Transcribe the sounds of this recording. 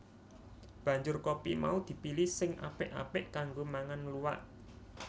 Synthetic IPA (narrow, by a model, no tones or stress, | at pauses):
b̥ä̤ɲd͡ʒʊrkopḭma̰ud̪̥i̤pilɪsɪŋʔa̰pɪʔa̰pɪʔkaŋɡomaŋanluwa̰ʔ